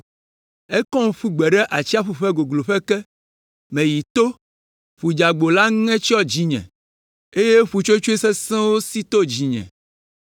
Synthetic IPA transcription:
e˦kɔ̃˦ŋ˦ɸu˦ɡ͡bɛ˨ɖɛ˦ʔa˨t͡ɕi˦a˦ɸu˨ɸɛ˦ɡo˨ɡlo˨ɸɛ˦kɛ˦ | mɛ̃˨ji˨t̪o˦ | ɸu˨d͡ʒa˨ɡ͡bo˨la˦ŋɛ̃˦t͡ʃi˦ɔ˦d͡ʑi˦ɲɛ̰̃˨ | e˦je˦ɸu˨t͡ʃo˦t͡ʃo˦i˦sɛ˦sɛ̃˦wo˦si˦t̪o˦d͡ʑi˨ɲɛ̰̃˨

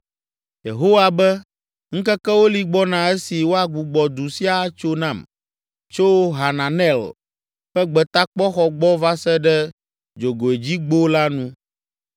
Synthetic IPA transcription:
jḛ˨ɦo˦wa˨bɛ˦ | ŋ̩˦kɛ˦kɛ˦wo˦li˨ɡ͡bɔ˦nã˨e˦si˨wo˦a˨ɡu˨ɡ͡bɔ˨d̪u˨si˦a˦t͡ʃo˦nã˦˨m | t͡ʃo˦ɦa˨nã˨nɛ˦˨l | ɸɛ˦ɡ͡bɛ˨t̪a˦k͡pɔ˦xɔ˨ɡ͡bɔ˦va˦sɛ˦ɖɛ˦ | d͡ʒo˨ɡo˨e˨d͡ʑi˦ɡ͡bo˦la˦nũ˦

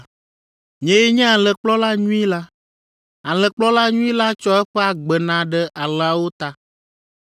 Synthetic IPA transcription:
ɲɛ̃˨jɛ˦ɲɛ̃˦a˨lɛ˨k͡plɔ˦la˦ɲũ˦i˦la˦ | a˨lɛ˨k͡plɔ˦la˦ɲũ˦i˦la˦t͡ʃɔ˦ɛ˦ɸɛ˦a˨ɡ͡bɛ˨nã˨ɖɛ˦ʔa˨lɛ˨a˨wo˦t̪a˦

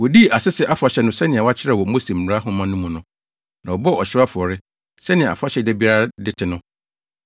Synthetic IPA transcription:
wɔ˨di˦˨a˨sɪ˦sɪ˦ʔa˦fʊ˨a˨ɕɛ˨nʊ̃˦sɛ˦nɪ̃˨a˨wa˦t͡ɕʰɪ˦ɾɛ˦˨wɔ˨˦mo˦si˨m̩ː˨m˨ɾa˦ɦʊ̃˦mã˦nʊ̃˦mũ˨nʊ̃˨ | nã˨wɔ˨bɔ˦ɔ˨ɕɪ˦ɾa˦fʊ˨ɔ˨ɾɪ˦ | sɛ˦nɪ̃˨a̰˨fa˦ɕɛ˨dɛ˦bi˦a˦ɾdɪ˦tʰɪ˨nʊ̃˦

